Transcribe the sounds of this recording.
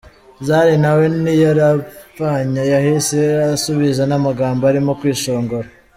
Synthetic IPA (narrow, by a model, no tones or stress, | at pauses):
zaːɾinawe̞nijaɾavaɲajahiseasuβizanamaɡaːmboaɾimo̞kwiːʃoːŋɡo̞ɾa